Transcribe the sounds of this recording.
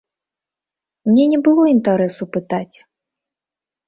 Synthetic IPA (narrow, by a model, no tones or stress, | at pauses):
mnʲɛnʲɛbɨlˠɔint̪aɾɛsupɨt̪at͡sʲ